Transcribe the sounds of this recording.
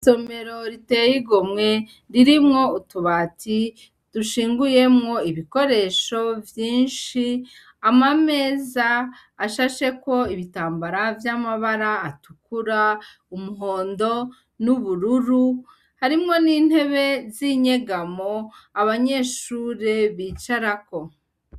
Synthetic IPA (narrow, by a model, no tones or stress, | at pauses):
so̞me̞ɾo̞ɾite̞jiɡomŋe̞ | ɾiɾimŋo̞utuβati | d̥uʃiːŋɡuje̞mŋo̞iβiko̞ɾe̞ʃo̞vjiːnʃi | amame̞ːzaː | ʃaʃe̞ko̞iβitaːmbaɾavjamaβaɾaːtukuɾa | umuɦo̞ːndo̞ | nuβuɾuɾu | haɾimŋo̞niːn̥he̞βe̞ziɲe̞ɡamoaβaɲe̞ʃuɾe̞βiːt͡ʃaɾako̞